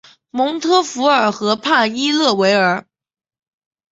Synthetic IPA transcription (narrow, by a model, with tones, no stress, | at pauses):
mʊ˧˥ŋt̪ʰɤ˥fu˧˥ə˞˨˩xɤ˧˥pʰa˥˩i˥lɤ˥˩we˧˥ɪə˞˧˥